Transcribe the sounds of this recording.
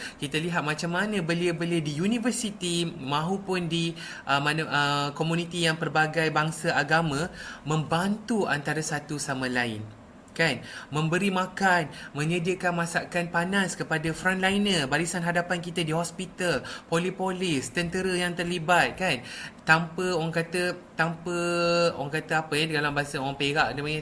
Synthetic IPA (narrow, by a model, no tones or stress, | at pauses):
kit̪aliɦat̪̚mãt͡ʃamːanə̃bəliəbəliədijunĩvəsit̪imãɦupʊndi | ʔəmanʔəkomũnĩt̪ijaŋpərbaɡajbaŋsaʔaɡamãmə̃mbant̪ua̰nt̪aɾasat̪usamãlaɪ̰n | kanmə̃mbəɾimãkanmə̃ɲədiəkanmãsaʔkanpanaskəpadafɾãnlajnəbalisanɦadapankit̪ədiɦɔspit̪alpolipolɪst̪ənt̪əɾəjaŋt̪ərlibat̪̚kant̪ampəoɣaŋkat̪ət̪ampəoɣaŋkat̪əapəjɛdɡalambasaoɣaŋpeɾaʔdəmaɲ